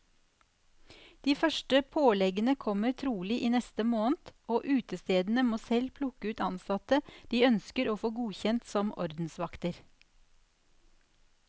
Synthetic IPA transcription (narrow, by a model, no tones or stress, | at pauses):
d̪̥iːfœʃʈəpʰoːlɛɡənəkʰɔmət̪ʰɾuːlɪʔiːnɛst̪əmoːnt̪oːʔʉːt̪əst̪eːd̪n̩əmoːsɛlpʰlʊkəʉːt̪ɑnsɑt̪əd̪̥iːœnskəɾoːfoːɡuːçɛnt̪sɔmʔɔ̰ɾd̪n̩sʋɑkt̪əɾ